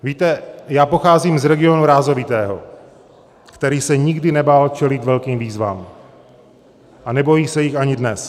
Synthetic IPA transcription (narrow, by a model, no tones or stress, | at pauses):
viːt̪ɛjaːpo̞xaːziːmzɾɛɡɪo̞nuɾaːzo̞vɪt̪ɛːɦo̞̰ | kt̪ɛɾiːsɛɲɪɡdɪnɛbaːlt͡ʃɛlɪt̪vɛlkiːmviːzva̰ːm | ʔanɛbo̞jiːsɛjɪxaɲɪdnɛs